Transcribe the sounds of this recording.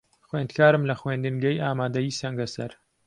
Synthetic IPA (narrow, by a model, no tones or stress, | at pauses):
xweːnd̪kʰaːɾɨmlɐxweːnd̪ɨnɡɐjaːmaːd̪ɐjiːsɐŋɡɐsɐɾ